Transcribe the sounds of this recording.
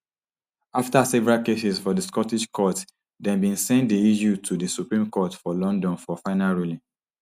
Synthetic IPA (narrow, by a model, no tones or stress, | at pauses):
aftasɛvɛɹakesisfɔdiskɔtiʃkʰɔt | dɛ̃bĩnsɛ̃ntdiijutʰudisupɹĩmkɔtfɔlɔ̃ndɔ̃nfɔfãɪnalɹulĩ